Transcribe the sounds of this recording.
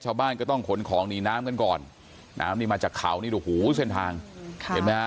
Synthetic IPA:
t͡ɕʰaː˧wbaː˥˩nkɔː˥˩t̪ɔ˥˩ŋkʰo˨˦nkʰɔː˩˦ŋniː˧naː˦˥mka˧nkɔː˨˩n | nʔa̰ː˦˥mniː˥˩maː˧t͡ɕaː˨˩kʰːa̰˨˩˦wniː˥˩doː˨˧˩huː˩˦se˥˩nt̪ʰaː˧ŋʰe˨˦ma˦˥a˦˥

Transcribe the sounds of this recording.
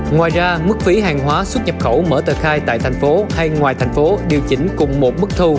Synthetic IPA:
ŋwaː˨˩jzaː˧mɨ˦˥k̚fi˨˦ɦaː˨˩ŋɦwaː˨˦swə˦˥t̚ɲə˨˩p̚xə˧˩wmə̰ː˧˩t̪əː˨˩xaː˧jt̪a̰ː˧˨jt̪ʰa˨˩jŋ̟fo˨˦ha˧jŋwaː˨˩jt̪ʰɛ˨˩jŋ̟fo˨˦ɗi˨˩əwt͡ɕï˨˦ŋ̟kʊ˨˩ŋ͡mmo˨˩t̚mɨ˦˥k̚t̪ʰu˧

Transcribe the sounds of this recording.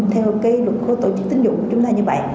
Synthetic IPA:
t̪ʰɛ˧wkaː˨˦jlwə˨˩t̚xo˨˦t̪o̰˧˩t͡ɕɨ˦˥k̚t̪ï˨˦ŋ̟zʊ̰˧˩˨ku˧˩ət͡ɕʊ˨˦ŋ͡mt̪aː˧ɲɨ˧və̰˧˨jʔ

